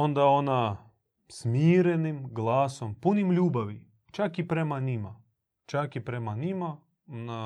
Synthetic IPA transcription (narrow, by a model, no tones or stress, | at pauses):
ond̪ao̞na | smiːɾenimɡlˠaːso̞mpunimʎuːbaʋi | t͡ʃakipɾe̞maɲima | t͡ʃakipɾe̞maɲima | ona